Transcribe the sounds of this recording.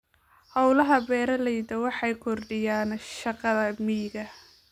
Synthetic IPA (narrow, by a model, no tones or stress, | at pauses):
hɑwlɐɦɐbɛːɾɐlɛjd̪ɐwɑħɑjkʰɔrɖɪjaːnʃɑqɑðɐmiːɡɐ